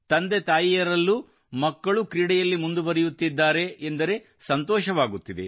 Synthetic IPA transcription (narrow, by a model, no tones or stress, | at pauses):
t̪ɐnd̪et̪aːjijɐɾɐlːu | mɐkːɐɭukɾiːɽɛjɐlːimund̪uʋɐɾijut̪ːid̪ːaːɾe̞ʔːnd̪ɐɾe̞ | sɐnt̪ɔːʃɐʋaːɡut̪ːid̪ḛ